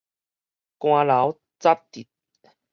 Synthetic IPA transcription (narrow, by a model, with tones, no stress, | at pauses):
kw̃ãː˧la˨˦w | t͡sa˦˥p̚t̪i˨˩t̪̚